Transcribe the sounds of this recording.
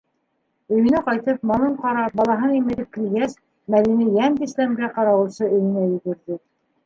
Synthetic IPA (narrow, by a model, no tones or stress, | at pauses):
ɵ̆jɘ̆nɘqɑjt̪ɤpmɑnˠɤɴqɑɾɑp̚bɑlˠɑɦɤnimɘ̆ðɘp̚kɘ̆lɡæs | mæðinɘjænd̪islæmɡæqɑɾɑwɤ̆sɤɵ̆jɘ̆næjɵ̆ɡɵ̆ɾðɘ